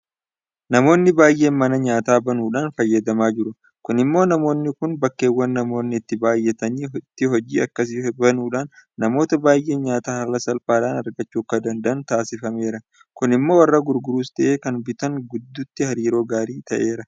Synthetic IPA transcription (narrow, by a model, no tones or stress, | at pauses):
nɐmo̞ːnːɪbaːjʔe̞ːnmɐnɐɲaːt̪aːbɐnuːᶑaːnfɐjːɐd̪ɐmaːd͡ʒɪɾʊ | kʊnɪmːo̞ːnɐmo̞ːnːɪkʊnbɐkːe̞ːwːɐnːɐmo̞ːnːɪɪt̪ːɪbaːjːɛt̪ɐniːt̪ːɪɦɔd͡ʒḭːɐkːɐs̬ɪbɐnuːᶑaːnːɐmo̞ːt̪ɐbaːjʔe̞ːnɲaːt̪aːhɐlːɐsɐlfaːᶑaːnɐɾɡɐt͡ʃːuːkːɐd̪ɐnd̪ɐɐnt̪aːsɪfɐme̞ːɾɐ | kʊnɪmːo̞ːwɐrːɐɡʊɾɡʊɾuːst̪ɐʔe̞ːkɐnbɪt̪ɐŋɡʊd̪ːʊt̪ːɪhɐɾiːɾo̞ːɡaːɾiːt̪ɐʔe̞ːɾɐ